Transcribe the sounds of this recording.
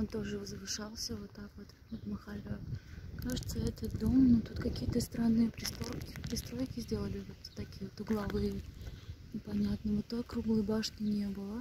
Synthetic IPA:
ont̪o̞ʐɨvəzvɨʂalˠsʲəvot̪ːakvot̪ | ot̪mɐxalʲokaʐɨt̪səɛt̪ət̪̚d̪o̞mnut̪ut̪kɐkʲijət̪əst̪ɾanːɨjəpɾʲɪst̪ɾokʲɪ̥pɾʲɪst̪ɾo̞jkʲɪzʲdʲe̞lˠəlʲɪvot̪ːɐkʲijəvot̪ʊɡlˠɐvɨjʲ | ɪpɐnʲat̪nəmot̪ːokɾuɡlˠɨjbaʂnʲɪnʲe̞bɨlˠə

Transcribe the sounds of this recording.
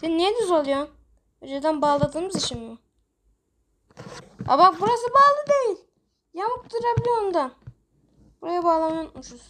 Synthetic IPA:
sinːijɛd̪yzolˠjon | ød͡ʒed̪ænbaːlˠɯd̪ɯmɯzit͡ʃimmu | a̰βak̚buɾas̬ɯbaːlˠɯd̪ejilʲ | jamɯp̚d̪uɾabilʲiond̪a | buɾajabaːlˠananuʃus

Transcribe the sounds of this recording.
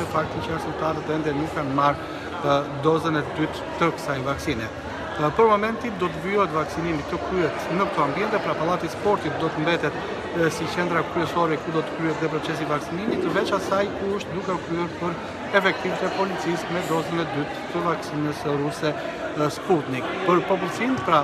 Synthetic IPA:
ɛfak̚t̪ənt͡ʃasəmt̪aɾət̪ɛnd̪ɛnukːanmaɾ | d̪ɔzənɛd̪yt̪ːəkə̥sajvaksinɛ | pəɾmɔmɛnt̪id̪ɔt̪̬əviɔɦɛt̪vaksinimit̪ːəkɾyɦɛt̪nək̚t̪ɔambiɛnt̪ɛpɾapalˠat̪ispɔɾt̪it̪̚d̪ɔt̪əmbɛt̪ɛt̪ | sit͡ʃɛnd̪ɾakɾyɛsɔɾɛkud̪ɔt̪ə̥kɾyɛt̪ðɛpɾɔt͡sɛs̬ivaksinimit̪ːəvɛt͡ʃasajkuəʃt̪d̪ukɛɔkɾyɛɾpəɾ | ɛfɛk̚t̪ivt̪ɛpɔlit͡sismɛd̪ɔzənɛd̪yt̪ːəvaksinəsɾusɛ | sput̪nikpəɾpɔp̬ult͡sinpɾa

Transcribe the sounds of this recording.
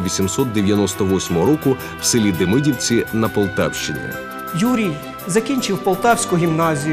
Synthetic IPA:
ʋʲisʲimsɔt̪̚d̪eʋʲjɐnɔst̪ɔʋɔsʲmɔɦɔɾɔkʊ | w̥sɪlʲid̪emɪdʲiwt͡sʲinɐpɔlˠt̪a̰wʃt͡ʃɪnʲɛ̰ | juɾʲij | zɐkʲinʲt͡ʃɪwpɔlˠt̪ɑwsʲkʊɦʲimnɑzʲij

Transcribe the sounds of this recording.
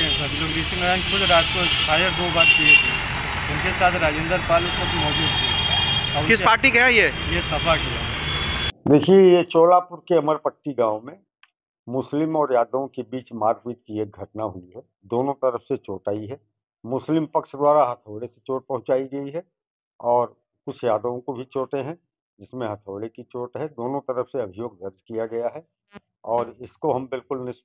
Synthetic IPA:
ebɐɡloɡɾiːsəŋəɾãːnkʰʊd̪ɾaːd͡ʒkofʰaːjəɾd̪obaːt̪kiet̪ʰe | ʊnkesaːt̪ʰɾaːd͡ʒẽːnd̪əɾpaːlẽsɐbimɔːd͡ʒuːd̪t̪ʰɛ | ʊkɪspaːɾʈikɐɦãjejesɐpʰakia̰ː | d̪eːkʰiejet͡ʃoːlapʊɾkeɐməɾpɐkʈ̪iɡãːʋmẽ | mʊslɪmɔːɾjaːd̪õkebiːt͡ʃmaːɾpiːt̪̚kieːk̚ɡʱɐʈnaɦʊiɦɛ | d̪oːnõt̪ɐɾəfset͡ʃoːʈaːiɦɛː | mʊslɪmpɐkʃd̪waːɾaɦɐt̪ʰoːɽese̥t͡ʃoːʈ̚pɐɦʊ̃t͡ʃaːiɡɐiɦɛ | ɔːɾ | kʊt͡ʃʰjaːd̪õkobʱit͡ʃoːʈeɦɛ̃ | d͡ʒɪsmẽɦɐt̪ʰoːɽekit͡ʃoːʈɦɛd̪oːnõt̪ɐɾəfseɐbʱɪjoːɡ̚d̪ɐɾd͡ʒkijaɡɐjaɦɛ | ɔːɾɪskoɦɐmbɪlkʊlnɪs

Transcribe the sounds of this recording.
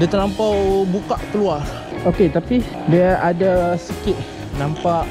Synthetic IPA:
dit̪əɾnampawbukaʔkəluar | oket̪api | diaadasikɪʔ̪̚ | nãmpaʔ

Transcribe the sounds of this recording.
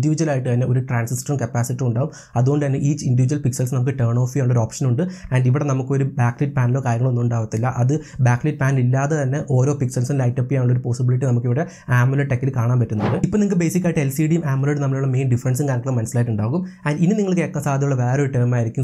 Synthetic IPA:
diʋid͡ʑuwɐlaːjiʈːɨt̪ɐnːe̞o̞ɾuʈraːnsisʈrɐrmkɐpːaːsitːiuɳɖaːʋum | ɐðuɣoɖɨt̪ɐnːeʔiːt͡ɕːindiʋid͡ʑuɐlpiksɐlsnɐmukːɨʈeːɳo̞ːfiaːuɳːɭːoɾoːpʂɐnuɳɖɨɐnɖiʋiɽe̞nɐmukːɨo̞ɾubaːkliʈ̚ːpaːnilo̞ːkaːjɐŋːɐɭonːumuɳɖaːʋɐt̪ːilːɐʔɐðɨ | baːkːliʈ̚paːnlilːaːðet̪ɐnːe̞ʔo̞ːɾoːpiksɐlsinlɐjtːɐpːijaːuɭːɐo̞ɾupoːsibiliʈːinɐmukːiʋiɽe | aːmːɐlɐʈːekːilkaːɳaːnpɐtːunːɐɳɖɨipːonimkːbe̞jsikʲːaːjiʈːɨelsiɖijmaːmːɐloɽɨnɐmːɐɭjuɭːɐme̞ːnɖifɾɐns̬iŋkaːnkːmɐnɐsɐlaːjʈːuɳɖaːʋɣumɐɖinːɨniŋːɐɭkeːkːɐsaːd̪ʱjɐuɭːɐʋe̞ːɾoɾuʈeːmaːjiɾikʲːum

